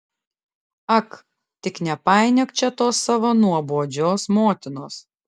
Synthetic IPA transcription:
ɐk | t̪ʲɪknʲɛpɑˑɪnʲɛkt͡ʃʲɛt̪oːsːɐʋonuɔboɔd͡ʒʲoːsmoːt̪ʲɪnoːs

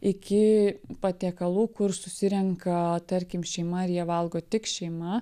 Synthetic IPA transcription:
ɪkʲɪpɐt̪ʲeːkɐlˠuːkʊrsʊsʲɪɾʲɛŋkɐt̪ɐɾʲkʲɪmʃʲɛɪmɐɪɾjiɛʋɐlˠɡoːt̪ʲɪkʃʲɛɪmɐ

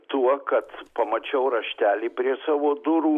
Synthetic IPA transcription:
t̪uɔkɐt̪pɐmɐt͡ʃʲɛʊɾɐʃʲt̪ʲæːlʲiːpʲɾʲiɛsɑːʋoːd̪ʊɾuː

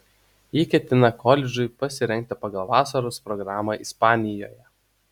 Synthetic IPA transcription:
iːkʲɛt̪ʲɪnɐkʰɔːlʲɛd͡ʒʲʊɪpɐsʲɪɾʲɛŋʲk̚ʲt̪ʲɪpɐɡɐlˠʋɑːsɐɾoːspɾɔɡɾɑːmɐʔɪspɑːnʲɪjoːjɛ

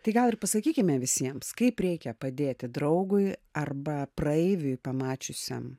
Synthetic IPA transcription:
t̪ɐɪɡɐlˠɪrpɐsɐkʲiːkʲɪmʲɛʋʲɪsʲiɛmskɐɪpɾʲɛɪkʲɛpɐd̪ʲeːt̪ʲɪd̪ɾɐʊɡʊɪɐrbɐprɐɛɪʋʲʊɪpɐmɑːt͡ʃʲʊsʲɛ̰m

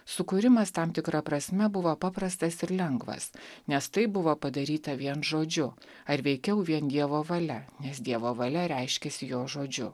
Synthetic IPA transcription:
sʊkʊɾʲɪmɐst̪ɑmt̪ʲɪkɾɐpɾɐsʲmʲɛbʊʋoːpɑːpɾɐst̪ɐsɪɾlʲɛŋɡʋɐ̰snʲɛst̪ɐɪbʊʋoːpɐd̪ɐɾʲiːt̪ɐʋʲiɛnʒoːd͡ʒʲʊ | ɐɾʋʲɛɪkʲɛʊʋʲiɛnd̪ʲiɛʋoːʋɐlʲɛnʲɛsd̪ʲiɛʋoːʋɐlʲɛɾʲɛɪʃʲkʲɛsʲɪjoːʒoːd͡ʒʲʊ

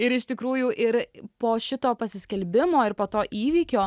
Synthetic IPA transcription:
ɪɾɪʃt̪ʲɪkɾuːjʊʔɪɾpoːʃʲɪt̪oːpɐsʲɪsʲkʲɛlʲbʲɪmoːɪɾpoːt̪oːʔiːʋʲiːkʲoː

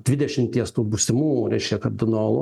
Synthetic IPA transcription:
d̪ʲʋʲɪd̪ʲɛʃʲɪmt̪ʲiɛst̪uːbusʲɪmuːɾʲɛɪʃʲkʲɛkɐɾʲd̪ʲɪnoːlˠo

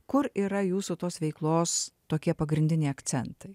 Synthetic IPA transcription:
kʊɾiːɾɐjuːsʊt̪oːsʋʲɛɪklˠoːst̪oːkʲiɛpɐɡɾʲɪnʲd̪ʲɪnʲɛɪɐkt̪sʲɛnt̪ɐɪ

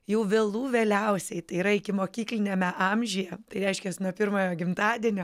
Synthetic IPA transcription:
jɛʊʋʲeːlˠuːʋʲeːlʲɛʊsʲɛɪt̪ɐɪiːɾɐɪkʲɪmoːkʲiːklʲɪnʲeːmʲɛʔɑmʲʒʲyjɛt̪ɐɪɾʲɛɪʃʲkʲɛsnuɔpʲɪrmoːjoːɡʲɪmt̪ɑːd̪ʲiɛnʲoː

